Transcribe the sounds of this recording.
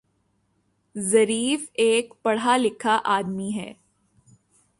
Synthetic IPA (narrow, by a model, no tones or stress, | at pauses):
zɐɾiːfeːkpɐɽ̤alɪkʰaʔaːd̪miɦɛ̰ː